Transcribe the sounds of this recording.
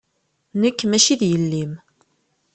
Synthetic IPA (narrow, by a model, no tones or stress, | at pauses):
nəkːmæʃiðjəlːim